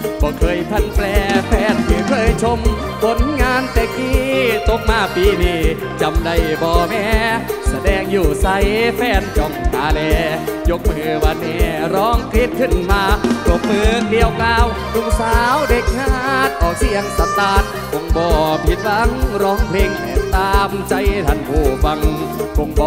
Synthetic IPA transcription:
bɔː˧˦kʰɤː˧˩jp̪ʰa˧˩˨nplɛː˧pʰɛː˧˥nmɯː˧˩kʰɤː˧˨jt͡ɕʰo˧m | kʰo˧˥nŋaː˧˥nt̪ɛː˧˩kʰiː˧˥t̪o˧˥p̚maː˧˩piː˧˩niː˧˩ | t͡ɕa˧mda˧˩jbɔː˧˩mɛː˧˥sa˧dɛː˧˩ŋjuː˨˩sa˧˥jfʰɛː˧˥nt͡ɕɔ˧˩ŋʔaː˧˩lɛː˧˩jo˧˥k̚mɯː˧˩wa˧˥nːɛː˧˩ɾɔː˧˥ŋkli˧˥t̪̚kʰɯ˧˩nmaː˧jo˧˥k̚mɯː˧kli˧əwklaː˧w | nu˧˥˨ŋsaː˨˦wde˧k̚ŋaː˧˩t̪̚ʔɔː˨˧˩k̚si˧əŋsa˧˦mt̪aː˧˩t̪̚ | ko˧˥ŋbɔː˧˩pʰi˧t̪̚la˧˥ŋɾɔː˨˧˥ŋpʰle˧ŋʔɛ˧˩t̪aː˧mt͡ɕa˧jt̪ʰa˧˩nkʰuː˧˩fa˧ŋko˧ŋbɔː˧

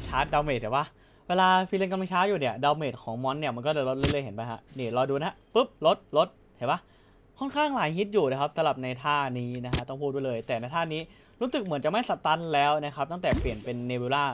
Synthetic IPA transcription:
t͡ɕʰaː˦˥t̪̚da˧wme˨˩t̪̚ʰːɛː˨˩˦waː˥˩ | weː˧laː˧fi˧li˧nka˧ma˧t͡ɕʰaː˦˥juː˨˩ni˦˩ɐda˧wmeː˨˩t̪̚kʰɔː˩˦ŋmɔ˦˥nːi˥˩ɐma˧nk̬ɔː˥˩lɤː˧˩lo˦˥lo˥˩lɤː˧ɦe˩˦npa˧jkʰa˦˥niː˧˩ɾɔː˧duː˧na˦˥pɯ˦˥p̚lo˦˥t̪̚lo˦˥t̪̚ | ha˨˩˦ba˧˥˩ | kʰɔ˥˩nkʰaː˥˩ŋlaː˨˩˦jhi˦˥t̪̚juː˨˩naː˧˩kʰa˦˥psa˧˦la˨˩p̚na˧jt̪ʰaː˥˩niː˦˥na˦˥kʰa˦˥t̪ɔ˥˩ŋpʰuː˥˩t̪̚wlɤː˧jt̪ɛː˨˩na˧jt̪ʰaː˥˩niː˦˥ | ɾuː˦˥sɯ˨˩k̚mɯ˩˦ənt͡ɕa˨˩kma˥˩jsa˨˧t̪a˧˥nlɛː˦˥wna˦˥kʰa˧˦˥p̚t̪a˥˩ŋt̪ɛː˨˩pli˨˩ənpe˧nːeː˧buː˧laː˥˩

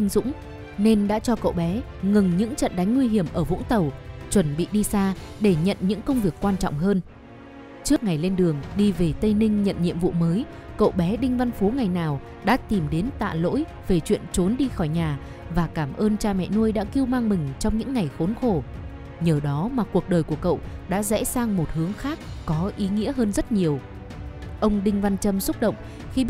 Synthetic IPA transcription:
i˧ŋ̟zʊ̰˧˥ŋ͡m | ne˧nɗa̰ː˧˥t͡ɕɔ˧kə̰˧˨wɓɛ˨˦ | ŋɨ˨˩ŋɲɨ̰˧˥ŋt͡ɕə̰˧˨nɗa˨˦jŋ̟ŋwi˧ɦi˧˩əmʔəː˧˩vʊ̰˧˥ŋ͡mt̪ə˨˩wt͡ɕwə˧˩nɓḭ˧˨ɗi˧saː˧ɗe˧˩ɲə̰˧˨nɲɨ̰˧˥ŋkə˧wŋ͡mvi˨˩əkːwaː˧nt͡ɕɔ̰˧˨wŋ͡mɦəː˧n | t͡ɕɨ˦˥ək̚ŋa˨˩jle˧nɗɨ˨˩əŋɗi˧ve˨˩t̪ə˧jnï˧ŋ̟ɲə̰˧˨nɲḭ˧˨əmvṵ˧˨məː˨˦j | kə̰˧˨wɓɛ˨˦ɗï˧ŋ̟va˧nfu˨˦ŋa˨˩jnaː˨˩w | ɗa̰ː˧˥t̪i˨˩mɗe˨˦nt̪a̰ː˧˨lo̰˧˥j | ve˨˩t͡ɕwḭ˧˨ənt͡ɕo˨˦nɗi˧xɔ˧˩jɲaː˨˩ | vaː˨˩kaː˧˩mʔəː˧nt͡ɕaː˧mɛ̰˧˨nu˧əjɗa̰ː˧˥ki˧əwmaː˧ŋmï˨˩ŋ̟t͡ɕɔ˧wŋ͡mɲɨ̰˧˥ŋːa˨˩jxo˨˦nxo˧˩ | ɲəː˨˩ɗɔ˨˦maː˨˩ku˨˩ək̚ɗəː˨˩jku˧˩əkə̰˧˨wɗa̰ː˧˥zɛ̰˧˥saː˧ŋmo˨˩t̚hɨ˨˦əŋxaː˦˥k̚ːɔ˨˦ʔi˨˦ŋḭ˧˥əɦəː˧nzə˦˥t̚ɲi˨˩əw | ʔə˧wŋ͡mɗï˧ŋ̟va˧nt͡ɕə˧msə˦˥t̚ɗə̰˧˨wŋ͡m | xi˧ɓi˦˥

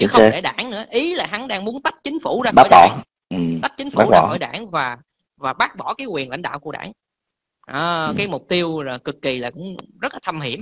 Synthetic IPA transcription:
t͡ɕɨ˨˦xɗe˧˩ɗa̰ː˧˩nnɨ̰˧˥əʔi˨˦laː˨˩ɦa˨˦nɗaː˧ŋmu˨˦ənt̪ə˦˥t̚t͡ɕï˨˦ŋ̟fu˧˩zaː˧˩ɓaː˦˧˩jɓɔ̰˧˨˩ | ʔɨ˨˩t̪ə˦˥t̚t͡ɕï˨˦ŋ̟fuaː˨˦˩a̰ː˧˦xɔ˧˩jɗa̰ː˧˩nvaː˨˩ | vaː˨˩ɓaː˦˥k̚ɓɔ˧˩kaː˨˦jkwi˨˩ənla̰˧˨jŋ̟ɗa̰ː˧˨wku˧˩əɗa̰ː˧˩ŋ | ʔə˨˩kaː˨˦jmʊ˨˩k͡p̚t̪i˧əwlaː˨˩kɨ˨˩kːi˨˩laː˨˩kʊ̰˧˥ŋ͡mzə˦˥t̚laː˨˩t̪ʰa˧mhi˧˩əm

